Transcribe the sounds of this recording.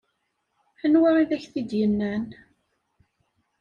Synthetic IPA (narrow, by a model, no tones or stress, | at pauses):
ħənwaɾˤiðæçθid̪jənːæn